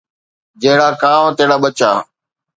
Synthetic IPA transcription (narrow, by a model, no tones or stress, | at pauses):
d͡ʒəɦɪɽaːkãːmːt̪eɦɽaːɓət͡ʃaː